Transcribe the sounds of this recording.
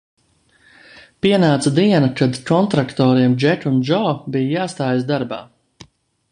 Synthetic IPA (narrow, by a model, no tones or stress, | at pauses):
piɛnaːt̪sad̪iɛnkad̪kɔnt̪ɾakt̪ɔːɾiɛmd͡ʒɛkunʒɔːbijajaːst̪aːjasd̪aɾba̰ː